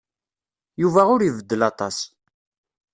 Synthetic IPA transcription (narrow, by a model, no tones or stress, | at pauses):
juvæʊɾivəd̪ːəlɑt̪ˤɑs